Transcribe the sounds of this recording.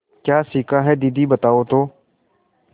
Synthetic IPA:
kjaːsiːkaːɦɛd̪iːd̪iːbət̪aːoːt̪oː

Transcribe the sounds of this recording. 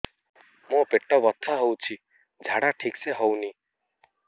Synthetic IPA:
mõpeʈːɔbɔt̪ʰːaɦowt͡ʃʰi | d͡ʒʱaɽaʈʰikseɦɔwni

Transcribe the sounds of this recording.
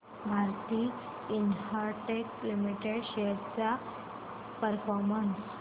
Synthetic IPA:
bʱaɾt̪iː | inhəɾʈeklimiʈeɽɕeɾt͡sa | pəɾfɔɾməns

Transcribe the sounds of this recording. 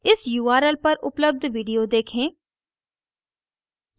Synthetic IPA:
ɪsjuːaːɾəlpɐɾʊ̰pləb̚d̪ʱʋiːɖijoːd̪eːkʰẽː

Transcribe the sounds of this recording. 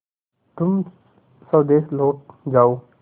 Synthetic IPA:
t̪ʊm | səbd̪eːsloːʈ̚d͡ʒaːoː

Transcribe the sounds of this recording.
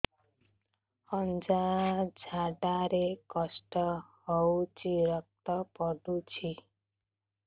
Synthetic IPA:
ʌnd͡ʒad͡ʒʱaɖaɾekɔsʈɔhɔwt͡ʃiɾʌk̚t̪ɔpɔɖut͡ʃʰi

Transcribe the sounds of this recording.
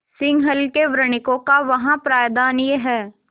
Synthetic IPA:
sɪ̃ŋɡɦəlkeʋɾəɽ̃ɪkõkaʋɐɦãpɾaːjd̪aːnjeɦɛː

